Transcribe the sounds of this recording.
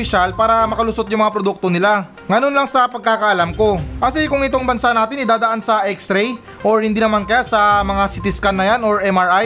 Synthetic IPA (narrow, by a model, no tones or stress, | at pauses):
ɪʃalpaːɾɐmɐkɐlʊsot̪̚jʊŋmɐŋapɾod̪uk̚t̪onɪla | ŋɐnonlɐŋsɐpɐɡ̚kakɐʔɐlamko̞ʔɐsɛkʊŋɪt̪oŋbɐnsanaːt̪ɪnɪd̪aːd̪ɐʔansɐʔɛkst̪ɾɛj | ʔoɹhɪnd̪iːnɐmankɐjasɐmɐŋasɪt̪ɪskanːɐjanoɹʔɛmɐɹʔaj